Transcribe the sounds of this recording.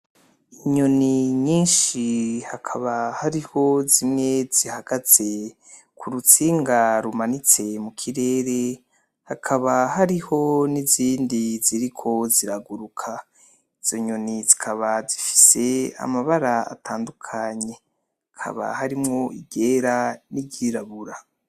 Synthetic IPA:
iɲo̞niɲiːnʃihakʰaβahaɾiho̞zimŋe̞z̥ihaɡ̥az̥e̞ | kʰuɾut͡siːŋɡaɾumanit͡se̞mukʰiɾe̞ːɾe̞ | hakʰaβahaɾiho̞niziːndiziɾikʰo̞ziɾaɡuɾukʰa | iz̥o̞ɲonizikʰaβazifi̥se̞a̰maβaɾaa̰tʰaːndukʰaɲe̞ | hakʰa̰βa̰haɾimŋo̞iɟe̞ːɾaniɟiːɾaβuɾa

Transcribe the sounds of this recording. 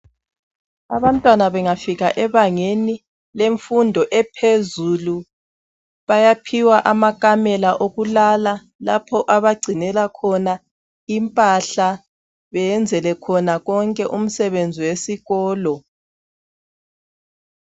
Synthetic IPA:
aβantʼwanaβɛŋafiɣaʔɛβaŋeni | leɱfundʱɔʔɛpʰezulu | βajapʰiwaʔamakʼamɛlaʔoɣulala | lapʰɔʔaβaɡ͡ǀʱinɛlakʰɔna | impʼaɬa | βɛjɛnd͡zʱɛlɛkʰɔnaɣɔŋkʼɛʔum̩sɛβend͡zʱiwesiɣɔːlɔ

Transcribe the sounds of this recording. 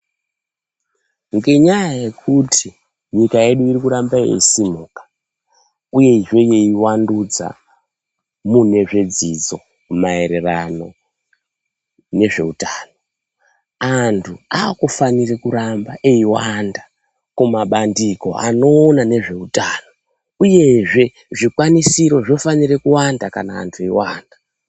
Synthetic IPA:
ŋɡe̞ɲajaje̞kʰutʰi | ɲikae̞ɗuirikuɾambaḛisimuːkḁ | uje̞ʐe̞je̞iwandud͡za̰ | mune̞ʐe̞d͡zid͡zo̞ | mae̞ɾe̞rano̞ | ne̞ʐe̞utaːno | antʰuaːkufanirekurambaʔe̞iwanda | kumaɓandiko̞̰a̰no̞ːnane̞ʐe̞utaːno̞ | uje̞ʐe̞ | ʐikwanisiɾo̞ʐo̞fanire̞kuwandakana̰ːntʰueiwaːnda

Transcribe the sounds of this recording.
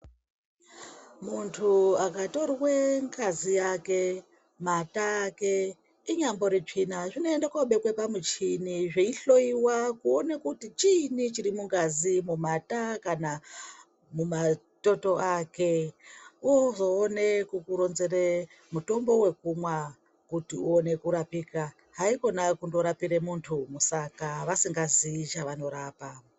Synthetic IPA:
muntʰuakato̞rweŋɡazijake̞ | mataːke̞ | iɲambo̞ɾit͡ʂinaʐinoendakaɓekwepamut͡ʃiniʐeiɬo̞iwakuonekutit͡ʃinit͡ʃiɾimuŋɡazimumatakana | muma | to̞to̞ʔake̞ | uzo̞ːnekukuɾo̞nze̞re | muto̞mbo̞we̞kumwa | kutiuone̞kuɾapiːka | ɦaiko̞nakundo̞ɾapiɾe̞muntʰumusakaʋasiŋɡaziit͡ʃaʋano̞ɾaːpa

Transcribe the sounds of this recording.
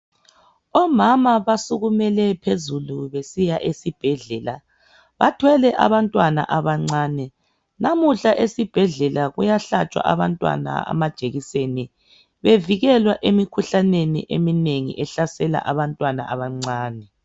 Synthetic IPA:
ɔmamaβasuɣumɛlɛpʰezuluβesijaʔesib̥ʱɛɮɛla | βatʰwɛlɛʔa̰βantʼwana̰ʔaβaŋ͡ǀaːnɛ | namuɬaʔesib̥ʱɛɮɛlaɣujaɬat͡ʃʼwa̰ʔaβantʼwa̰na̰a̰mad̥ʒ̥ʱeɣiseni | βeviɣɛlwaʔemikʰuɬanenḭʔḛmineŋḭʔɛɬasɛla̰ʔaβantʼwana̰ʔaβaŋ͡ǀaːnɛ

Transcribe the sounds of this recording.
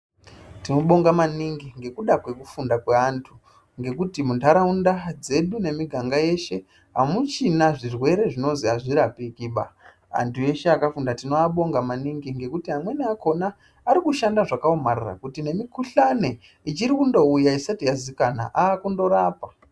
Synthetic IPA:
tino̞ɓo̞ŋɡamaniŋɡiŋɡe̞kuɗakwe̞kufundakwe̞antʰu | ŋɡe̞kutimuntaɾaundad͡ze̞ɗune̞miɡʱaŋɡaje̞ʃe̞ | ɦamut͡ʃinaʐirwe̞ɾe̞ʐino̞nziaʐiɾapikiɓa̰ | a̰ntʰuje̞ʃeakafundatino̞aɓo̞ŋɡamaniŋɡiŋɡe̞kutiɦamwe̞niako̞naː | ɾikuʃandaʐakaomarra̰kutine̞mikuɬane̞ | it͡ʃiɾikundo̞ujaisatijazikana̰ʔaːkundo̞ɾaːpa

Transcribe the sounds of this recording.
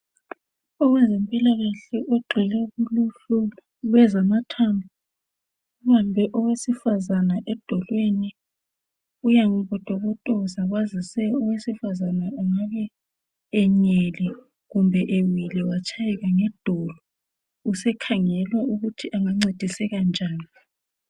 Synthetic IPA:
ɔwɛzempʼilaɣaɬɛʔoɡ͡ǃʱilɛuɣuluɬula | uɣwɛzamatʰambɔ | uβambʱɛʔɔwesifazanaʔɛd̥ʱɔlweni | ujaŋuβɔd̥ʱɔβɔtʼɔuzaɣwazisɛɔwesifazanauŋaβɛː | ɲɛlɛ | ɣumbʱɛʔewilɛwat͡ʃʰʼajɛɣaŋɛd̥ʱɔlɔ | usɛkʰaŋɛlwaʔuɣutʰiʔaŋaŋ͡ǀed̥ʱisɛɣand͡ʒʱaːni

